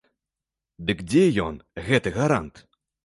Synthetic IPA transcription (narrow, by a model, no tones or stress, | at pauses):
d̪ɨkd͡zʲɛjɔnɣɛt̪ɨɣaɾa̰nt̪